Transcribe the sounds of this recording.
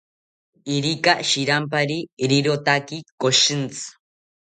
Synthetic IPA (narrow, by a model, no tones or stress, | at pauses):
iɾikaʃiɾampaɾiɾiɾot̪akikoʃint͡sɨ̥